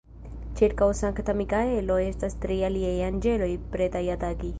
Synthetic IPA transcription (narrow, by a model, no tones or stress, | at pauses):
t͡ʃʰeʈkawsãŋkʰɐt̪ʰɐmikaelojest̪ɐst̪ɾijaliejand͡ʒelojpɾet̪ajat̪aɡi